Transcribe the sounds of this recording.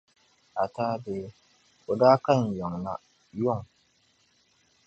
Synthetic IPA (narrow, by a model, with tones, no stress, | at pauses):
ʔa˨taː˦beː˨˦ | ʊ˨daː˦ka˦˨njɔ˨ŋna̰˦ | jʊ˦˨ŋ